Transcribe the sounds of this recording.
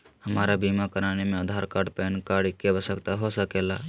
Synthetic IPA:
həmaːɾabimakəɾaːnemẽəd̪ʱaːɾkaːɾɖpɛːnkaːɾɖkebəsəkt̪aɦosəkela

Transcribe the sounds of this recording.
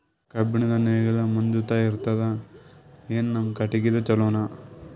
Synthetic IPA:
kɐbinid̪ɐneːɡɐlɐmɐnd͡ʒ̪ut̪aːjiɾut̪ːɐd̪ɐ | eːnnɐmɐkɐʈːiɡid̪ɐt͡ʃɐloːna

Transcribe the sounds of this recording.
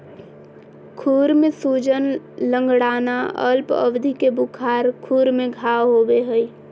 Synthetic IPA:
kʰuɾmesud͡ʒən | lə̃ŋɡɽaːnaə̰lpə̰bd̪ʱikebukʰaɾkʰuɾmeɡʱawɦobeɦəj

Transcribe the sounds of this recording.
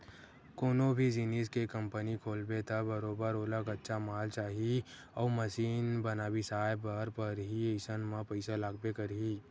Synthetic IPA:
koːnõbʱid͡ʒiniskekə̃mpənikʰoːlbet̪ʰabəɾoːbəɾoːləkətːʃʰamaːlt͡ʃaːɦi | ɔːməsiːnbənaːbisaːjbəɾpəɾɦieɪsənmãpəɪsalaːɡ̚bekəɾiː

